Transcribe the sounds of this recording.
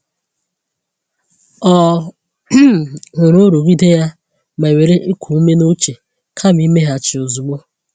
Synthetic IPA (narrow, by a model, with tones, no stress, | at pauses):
ɔ˨˦˨ | ɣʊ˨ɾʊ˦ɾo˨ɡi˦de˦ja˦ | ma˨e˨we˨ɾe˦ʔɪ˦kʷʰu˨u˦me˦no˦t͡ʃe˨ | kʰa˦˨m˦i˦me˦ɦa˨t͡ʃɪ˨ʊ˨zu˨ɡ͡bo˦